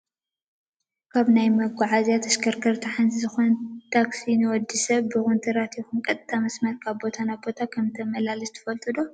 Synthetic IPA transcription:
kʰaβnajmɐɡaʕazjat̪ʰɐskʰɐɾkʰɐɾt̪ʰaħanzzɨxont̪ʰaksinɨwɔd̪ːisɐβbɨxunt̪ʰɨɾat̪ʰixunkʼɐt̪ʼt̪ʰʼːamɐsmɐt̪̚kʰaβbo̞t̪ʰanajbo̞t̪ʰakʰɐmt̪ʰɐmɐlalɨzɨt̪ʰɐ̥fɐlt̪ʰʼɨd̪o

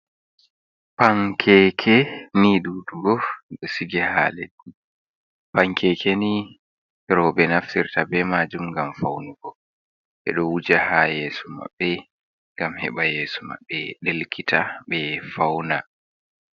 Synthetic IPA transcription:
paŋkʰɛkʰɛniɗuːduɡɔɗɔsiɡɛha̰ːlḛɗi | paŋkʰɛkʰɛni | ɾɔɓɛnaftiɾtabɛmad͡ʒumŋɡamfawnuɡɔ | ɓɛ̰ɗɔwud͡ʒahajeːsɔma̰ɓːɛ | ŋɡamhɛɓajeːsɔma̰ɓːɛɗelkʰitʰaɓɛfawna

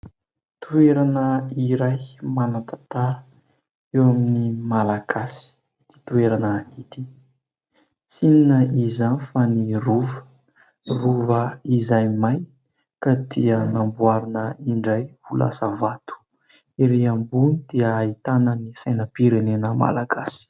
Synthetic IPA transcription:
t̪ueɾanəiɾajmanat̪at̪aɾ | ewaminimalaɡasi̥ | d̪̥i̥t̪ueɾanəit̪i | sininəizanifaniruvə̥ | ruvəizajmaj | kad̪iənambwaɾinəiɳɖ͡ʐajvulʔa̰səvat̪u̥ | iɾeambunid̪̥iəːit̪anənisajnəpiɾenenəma̰laɡasi̥

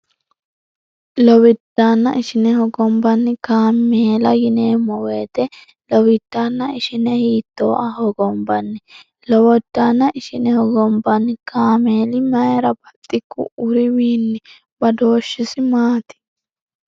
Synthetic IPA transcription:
lɔwɪd̪aːnːɐ̰ʔɪʃɪnɛhɔɡɔmbɐnːɪkaːmeːlɐjɪneːmɔweːt̪ɛ | lɔwɪd̪̥ːaːnːɐɪʃɪnɛhiːt̪ːo̰ːʔɐhɔɡɔmbɐnːɪ | lɔwɔd̪̥ːaːnːɐʔɪʃɪnɛhɔɡɔmbɐnːɪkʰaːmeːlɪmɐɛɾɐbɐt̪ʼːɪkːʊ̰ʔʊɾɪwiːnːɪ | b̥ɐd̪oːʃːɪsɪmaːt̪ɪ̥

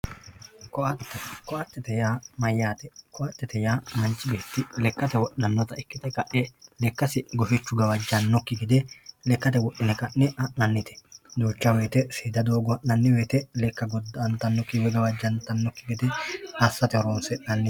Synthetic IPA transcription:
kɔɐt̪ːkɔɐt̪ːɛt̪ɛjaːmɐjːaːt̪ɛkɔʔɐt̪ːɛt̪ɛjaːmɐnt͡ʃːɪbe̞ːt̪ːɪlɛkːɐt̪ɛwɔʔɐnːɔt̪ɐɪkːɪt̪ɛkɐʔɛlɛkːɐsɪɡɔfɛt͡ʃːʊɡɐwɐd͡ʒːɐnːɔkːɪɡɪd̪ɛlɛkːɐt̪ɛwɔʔːɪnɛkɐʔːɛɐʔnɐnːɪt̪ʰɛ̥d̪oːt͡ʃːɐweːt̪ɛsiːd̪ɐd̪o̞ːɡɔɐʔnɐnːɪweːt̪ɛlɛkːɐɡɔd̪ːɐnt̪ɐnːɔkːɪwɛɡɐwɐd͡ʒːɐnt̪ɐnːɔkːɪɡɪd̪ɛɐsːɐt̪ɛɔɾoːnsɛnɐnːɪ

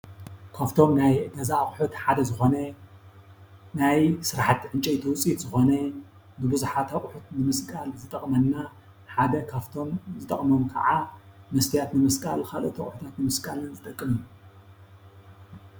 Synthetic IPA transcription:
kʰavt̪ʰo̞mnajɡ̪ɐzaχʼħut̪ħad̪ɐzɨxo̞nɐ | najsɨɾaħat̪ʕɨnt͡ʃʼɐt̪ʰiwʊt͡sʼit̪zɨxo̞nɐ | bɨbɨzuħat̪ʰaχʼħut̪nɨmɨskʼalzɨt̪ʼɐχʼmɐnːa | ħad̪ɐkʰaβt̪ʰo̞mzɨt̪ʼɐ̰χʼmomkʰɐ̰ʕamɐst̪ʰijat̪nɨmɐskʼa̰lxalʔɨ̰t̪ʰɐχʼħut̪ʰat̪nɨmɨskʼalɨnzɨt̪ʼɐkʼːɨmju

